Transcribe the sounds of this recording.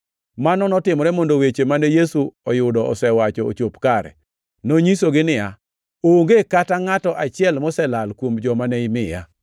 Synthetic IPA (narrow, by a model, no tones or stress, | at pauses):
manɔnɔtɪmɔɾɛmɔndowet͡ʃemanɛjesuɔjʊdɔɔsɛwat͡ʃɔ̰ːt͡ʃopkaɾɛ̰ | noɲisoɡɪnɪja | oŋɡekataŋatɔʔat͡ʃɪɛlmɔsɛlalkwomd͡ʒɔmanɛɪmɪja̰